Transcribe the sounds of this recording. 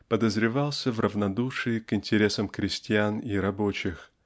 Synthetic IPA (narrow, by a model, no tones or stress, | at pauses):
pəd̪əzɾʲɪvɑlˠsʲəvrəvnɐd̪uʂɨɪkɪnʲtʲɪɾʲe̞səmkɾʲɪsʲtʲɪaniɾɐbot͡ɕɪx